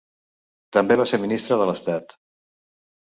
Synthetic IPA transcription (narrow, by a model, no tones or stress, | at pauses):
t̪əmbeβaseɾminist̪ɾəðələst̪at̪